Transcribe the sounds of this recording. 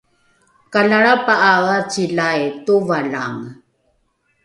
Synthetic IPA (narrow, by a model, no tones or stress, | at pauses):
kalaɭapaʔaɣat͡ɕiɮajtuvaɮa̰ŋ